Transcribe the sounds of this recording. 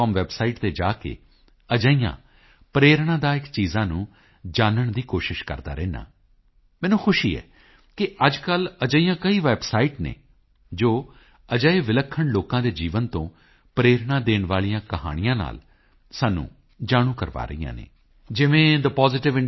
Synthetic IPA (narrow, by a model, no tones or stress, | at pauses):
ɔːmʋɛːbsaːiːʈt̪eːd͡ʒaːkḛː | əd͡ʒəiːjã̰ː | pɾeːɾɳaːd̪aːɪkt͡ʃiːzãːnũː | d͡ʒaːnəɳd̪iːkoːʃɪʃkə̰ɾd̪a̰ːɾɛːna̰ː | mɛːnũːxʰʊʃḭːɛ̰ː | kɪʔəd͡ʒkələd͡ʒəiːãːkəiːʋɛːbsaːiːʈnḛː | d͡ʒoː | əd͡ʒəeːʋɪləkʰːəɳloːkãːd̪eːd͡ʒiːʋənt̪õː | pɾeːɾɳaːd̪eːɳʋaːlijãːkəɦa̰ːɽ̃ɪjãːna̰ːl | saːnṵ̃ː | d͡ʒaːɽ̃ũːkəɾʋa̰ːɾə̰ijã̰ːnḛː | d͡ʒɪʋẽːd̪əpɔːzɪʈɪʋɪ